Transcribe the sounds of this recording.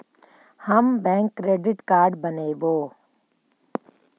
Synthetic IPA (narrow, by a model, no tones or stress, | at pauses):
hɐmbɛ̃ːŋkːɾeːɖɪʈkaːɾɖbɐneːboː